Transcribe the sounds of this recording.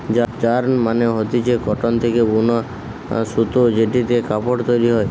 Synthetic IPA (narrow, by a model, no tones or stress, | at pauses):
d͡ʒad͡ʒaɾmaneɦot̪it͡ʃʰekɔʈɔnt̪ʰekebunɔ | sut̪od͡ʒeʈit̪ekapɔʈt̪ɔjɾiɦɔj